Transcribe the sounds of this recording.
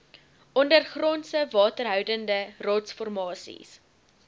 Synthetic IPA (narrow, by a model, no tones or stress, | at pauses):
ʔɔndərχrɔnsəvɑːtərɦœwdəndərɑːtsfɔrmɑːsḭs